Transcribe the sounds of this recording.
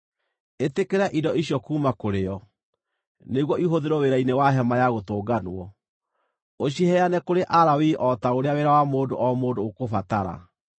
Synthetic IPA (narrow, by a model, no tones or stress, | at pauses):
etekeɾaʔidɔiɕjɔkuːmakoɾeɔ | neɣwɔiɦoðeɾɔweɾainewaɦɛmajaɣotoːɡanwɔ | oɕjeɦɛanɛkoɾeʔaɾawiʔɔtaoɾeaweɾawamoːdoʔɔmoːdoːkofataɾa̰